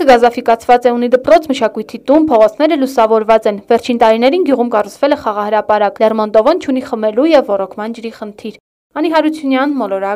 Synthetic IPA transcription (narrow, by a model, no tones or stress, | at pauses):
əɡɑzɑfikɑt͡sʰvɑt͡sɛunid̪əpɾɔt͡sʰməʃɑkujt̪ʰit̪unpʰɔʁɔt͡sʰnɛɾəlusɑvɔɾvɑt͡sɛnvɛɾt͡ʃʰint̪ɑɾinɛɾinɡjuʁumkɑrut͡sʰvɛlɛχɑʁɑhəɾɑpɑɾɑklɛrmɔnt̪ɔvɔnt͡ʃʰuniχəmɛlujɛvːɔrɔkʰmɑnd͡ʒəɾiχənt̪ʰiɾ | ɑniɦɑɾut͡sʰjunjɑnmɔlɔɾɑ